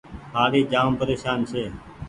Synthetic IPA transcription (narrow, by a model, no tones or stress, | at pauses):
ɦaːleːd͡ʒaːmpəɾeːʃaːnseː